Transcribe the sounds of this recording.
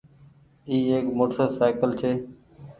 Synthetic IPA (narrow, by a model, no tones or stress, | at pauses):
iːeːkmʊʈsəsaːɪkəlt͡ʃʰeː